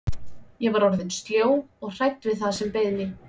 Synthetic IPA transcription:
jɛvaɾɔɾðɪnst̪ljoːwɔɣr̥ajt̪ːvɪðθaðsɛmpejðnɪ

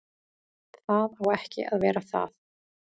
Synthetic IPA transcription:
θaðawɛhcɪ̰ʔa̰ðvɛːɾaθa̰ð

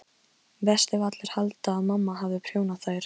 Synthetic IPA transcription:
vɛst̪ɪvat̪lɪɾ̥halt̪aːðmamːaɦavðɪpʰɾ̥joːwnaθajɾ̥

